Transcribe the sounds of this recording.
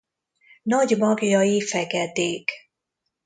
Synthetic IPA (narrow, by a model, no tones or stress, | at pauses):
nɒɟmɒɡjɒifɛɡɛd̪eːk